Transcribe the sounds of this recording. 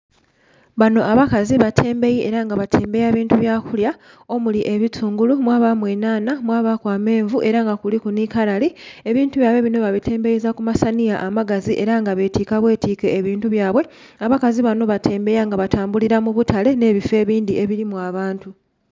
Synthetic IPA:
βano̞ʔaβakaziβatʰe̞ːmbe̞jiʔeɾaŋɡaβatʰe̞ːmbe̞jaːβiːntuβjaːkulja | o̞muliʔe̞βit͡suːŋɡulumwaːβamwe̞ːnaːnamwaːβakwaːme̞ːɱvuʔe̞ɾaŋɡakulikunikalalie̞βiːntuβjaːβwe̞βino̞βaβitʰe̞ːmbe̞jizakumasanijaʔːmaɡaziʔe̞ɾaŋɡaβe̞tiːkaβwe̞ːtiːke̞ːβiːntuβjaːβwe̞ | aβakaziβano̞βatʰe̞ːmbe̞jaŋɡaβatʰaːmbuliɾamuβutʰale̞ne̞ːβife̞ːβiːndie̞βiɾimuaβaːntu

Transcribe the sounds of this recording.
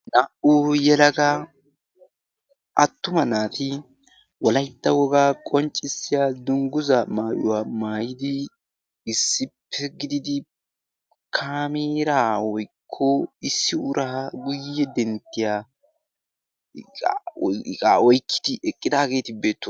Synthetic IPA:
nɐʔuːjɛlɐɡa | ʔɐt̪ːʊmɐnaːt̪ɪ | wɔlɐjt̪ːɐwɔɡaːkʼɔnt͡ʃʼːɪsːɪjaːd̪ʊŋɡʊzɐmaːjʊ̰waːmaːjɪd̪ɪː | sːɪpʰːɛɡɪd̪ɪd̪ɪ | kʰaːmiːɾaːwɔjkʰːɔɪsːɪʊɾʔaɡʊjɛd̪ɛnt̪ːɪjaː | kʼaɔjkʰːɪ̥d̪̥ɪʔɛkʼːɪd̪aːɡe̞ːt̪ɪbe̞ːt̪ːʊ

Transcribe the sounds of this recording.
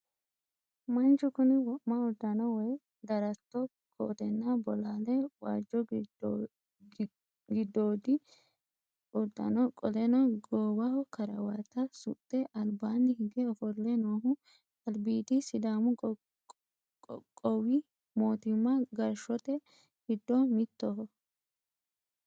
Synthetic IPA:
mɐnt͡ʃʊkʊnɪwɔʔmɐɔd̪ːɐnɐwɔj | d̪ɐɾɐt̪ːɔ | kʰo̰ːt̪ɛnːɐbɔlaːlɛwa̰ːd͡ʒːɔ | ɡɪd̪ːoːd̪ɪ | ʊd̪ːɐ̰nɔkʼɔlɛnɔɡoːwɐhɔkɐɾɐwɐt̪ːɐsʊ̰t̪ʼːɛʔɐlbaːnd̪ɪhɪɡɛɔfɔlːɛnoːɦʊ | ɐlbiːd̪ɪsɪd̪aːmʊ | kʼɔwɪ | moːt̪ɪmːɐɡɐɾʃɔt̪ɛ | hɪd̪ːɔmɪt̪ːɔhɔ

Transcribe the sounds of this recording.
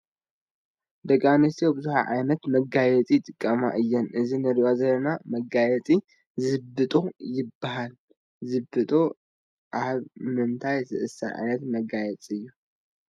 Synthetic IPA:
d̪ɐɡʼanɨst̪iobɨzuħa̰ʕa̰jnɐt̪mɐɡajɛt͡sʼit̪ʼɨkʼːɐma̰ʔɨjːɛnʔɨzinɨɾiʔazɐlːɐnamɐɡajɛt͡sʼi | zɨbɨt̪ʼojɪbːahal | zɨbːɨt̪ʼo | ʔaβmɨnt̪ʰajzɨ̰ʔɨsa̰ʕa̰jnɐt̪mɐɡajɛt͡sʼɨjːu

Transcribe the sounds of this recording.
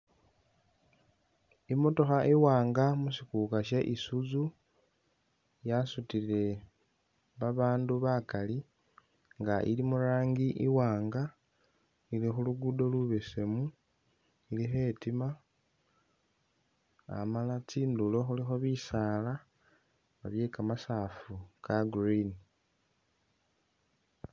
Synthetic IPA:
imo̞to̞xaʔiwaːŋɡamusikukaʃe̞ʔisuzu | jasutile̞ | βaβaːnduβakali | ŋɡaʔḭlimuɾaːŋɡiʔiwaːŋɡa | ilixuluɡudo̞luβe̞se̞mu | ilixe̞ːtima | malat͡siːndulo̞xulixo̞βisaːla | βaβje̞kamasaːfukaɡrini

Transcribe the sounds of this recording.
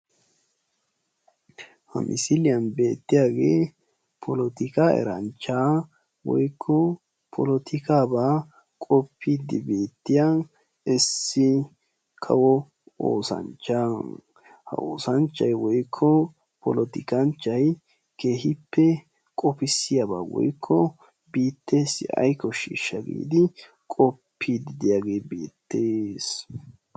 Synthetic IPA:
hɐ̰mʔɪ̰sɪlɪjɐnbe̞ːt̪ːɪjaːɡe̞ː | pʰɔlɔt̪ɪkaɛ̰ɾɐnt͡ʃːaː | wɔ̰jkʰːɔ | pʰɔlɔt̪ʰɪkaːbaː | kʼɔpʰːiːd̪ːɪbe̞ːt̪ːɪja | ɛsːɪ | kʰɐ̰wɔ | o̰ːsɐ̰nt͡ʃːa | hɐ̰o̰ːsɐnt͡ʃːɐjwɔjkʰːɔ | pʰɔlɔt̪ɪkɐnt͡ʃːɐj | ke̞ːhɪpːɛ | kʼɔpɪsːɪjaba̰ːwɔ̰jkʰːɔ | biːt̪ːe̞ːsːɪ̰ɐ̰jkːɔʃḭːʃːɐɡḭːd̪ɪ | kʼɔpʰːiːd̪ɪd̪ɪjaɡe̞ːbe̞̰ːt̪ːe̞ːs

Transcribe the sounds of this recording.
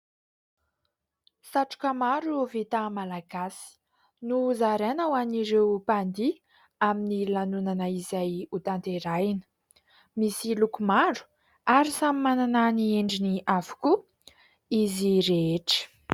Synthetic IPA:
saʈ͡ʂu̥kʲəmaɾuvet̪amalaɡasi̥ | nuzaɾenawaniɾewpand̪i | aminilanunanəizajut̪ant̪eɾajnə̥ | misilukumaɖ͡ʐu̥ | aɾisamimanananieɳɖ͡ʐiniavu̥ku | iziɾeeʈ͡ʂə̥

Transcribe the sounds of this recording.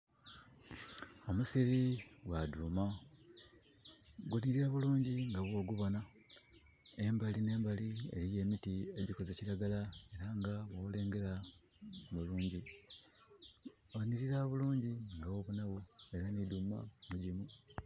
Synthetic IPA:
o̞musiɾiɡwaduːma | ɡwuniɾiɾaβuluːɲɟiŋɡaβwo̞ːɡuβo̞na | e̞mbaline̞ːmbaliḛlije̞ːmitie̞ɟiko̞zeciɾaɡalae̞ɾaŋɡaβole̞ːŋɡe̞ɾa | βuluːɲɟi | oniɾiɾaβuluːɲɟiŋɡawo̞ːβunaβue̞ɾaniduma̰muɟimu

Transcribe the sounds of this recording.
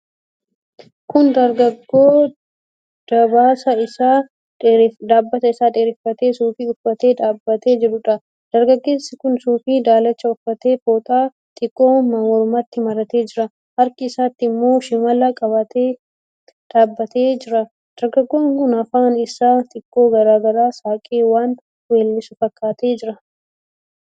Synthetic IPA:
kʊnd̪ɐɾɡɐɡːo̞ː | d̪̥ɐbaːsɐɪsaː | d̪aːbːɐt̪ɐɪsaːᶑ̪eːɾɪfːɐt̪e̞ːsuːfiːʊfːɐt̪e̞ːᶑ̪aːbːɐt̪e̞ːd͡ʒɪɾʊᶑɐ | d̪̥ɐɾɡɐɡːe̞ːsːɪkʊnsuːfiːd̪aːlɐt͡ʃːɐʊfːɐt̪e̞ːfoːt̪ʼaː | t̪ʼɪkʼːo̞ːmɐmoɾʊmɐt̪ːɪmɐɾɐt̪e̞ːd͡ʒɪɾɐ | hɐɾkɪːsaːt̪ːɪɪmːo̞ːʃɪmɐlɐkʼɐβɐt̪eː | ᶑ̪̥aːbːɐt̪eːd͡ʒɪɾɐ | d̪̥ɐɾɡɐɡːo̞ːŋkʊnɐfaːnɪsaːt̪ʼɪkʼːo̞ːɡɐɾaːɡɐɾaːsaːkʼeːwaːn | weːlːɪsʊfɐkːaːt̪e̞ːd͡ʒɪɾɐ

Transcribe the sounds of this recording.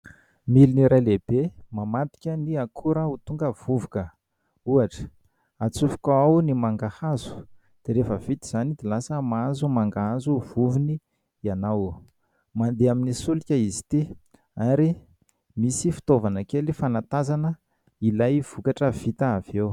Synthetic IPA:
miliniɾajleb̥emamat̪i̥kʲəniakʰuɾəut̪uŋɡəv̥uvukə | uaʈ͡ʂə̥ | at͡sufi̥kaawnimaŋɡahazu̥ | d̪̥eɾefəv̥it̪iz̥anid̪ilasəmaazumaŋɡaazuv̥uvini | anaw | mand̪eaminisulikʲəizi̥t̪i | aɾi | misifi̥t̪ovanəkelifanat̪azanə | ilajv̥ukaʈ͡ʂəv̥it̪aav̥ew

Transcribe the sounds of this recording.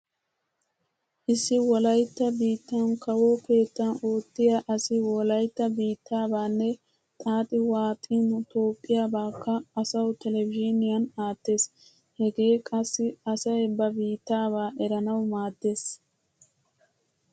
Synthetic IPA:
ʔɪsːɪwɔlɐjt̪ːɐbiːt̪ːɐnkɐwoːke̞ːt̪ːɐno̞ːt̪ːɪjaʔɐsɪwɔlɐjt̪ːɐbiːt̪ʰːaːbaːnːɛ | t̪ʼaːt̪ʼɪwaːt̪ʼiːnʊt̪o̞ːpʼːɪjaːbaːkːɐːsɐwʊt̪ɛlɛvɪd͡ʒɪnɪjɐnaːt̪ːe̞ːs | hɛɡe̞ːkʼɐsːɪɐsɐjɛbɐbiːt̪ːaːβaːʔɛɾɐnɐwmaːd̪ːe̞ːs

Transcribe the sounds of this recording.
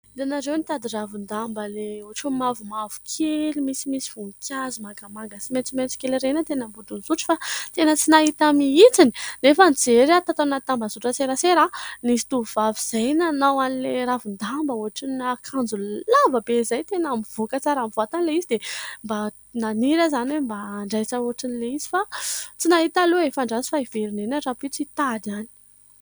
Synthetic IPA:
d̪enaɾewnit̪ad̪iravund̪ambəleuɦaʈ͡ʂemavumavu̥kʰelumisimisi̥v̥uŋkʰʲazumaŋɡamaŋɡasiment͡siment͡si̥kʲelɾenət̪enəmbudunizuʈ͡ʂi̥fat̪enət͡sinaɦit̪amiit͡sini̥nefənid͡zeɾat̪at̪annat̪ambazuʈ͡ʂət͡seɾaseɾanisi̥t̪uuvaviz̥ajnanawanileɾavund̪ambauaʈ͡ʂinakʰand͡zullavəbezajt̪enamiv̥okət͡saɾamivat̪anileizid̪emba | naniɾəzanwembaːɳɖ͡ʐajt͡sauaʈ͡ʂinileizi̥fat͡sinaɦit̪aluefaɳɖ͡ʐazi̥faiveɾinenaɖ͡ʐapit͡sit̪ad̪ani̥

